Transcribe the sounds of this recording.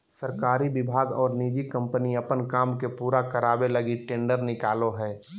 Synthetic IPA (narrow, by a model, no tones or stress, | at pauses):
səɾkaːɾibɪbʱaːɡɔːɾniːd͡ʒikə̃mpəniɐpənkaːmkepuːɾakəɾaːbeləɡiʈẽːɳɖəɾnɪkaːloɦɛː